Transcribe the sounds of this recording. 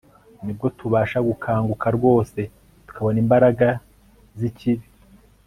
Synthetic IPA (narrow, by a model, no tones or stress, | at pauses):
nib̚ɡo̞tʰuβaːʃaɡukʰaːŋɡukʰaɾɡo̞ːse̞ | tu̥kʰaβo̞nimbaɾaɡa | ziciβi